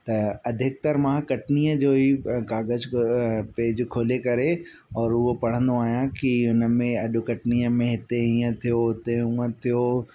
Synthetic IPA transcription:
t̪ɐɐd̪ʱɪk̚t̪ɐɾmãkɐʈniːəd͡ʑoːikaːɡəzpeːɪd͡ʑkʰoːlekɐɾe | ɔːɾʊɦopɐɽ̤ə̃nd̪oaːɦijãkiɦʊnə̆mẽɐɗʊkɐʈniːəmẽɦɪt̪eĩːə̃t̪ʰijoɦʊt̪eũə̃t̪ʰijo

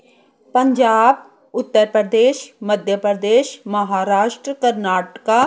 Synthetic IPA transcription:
pə̃ɲd͡ʒaːb | ʊt̪ːəɾpɾəd̪eːʃməd̪ʱjəpɾəd̪eːʃməɦaːɾaːʃʈɾəkəɾnaːʈkaː

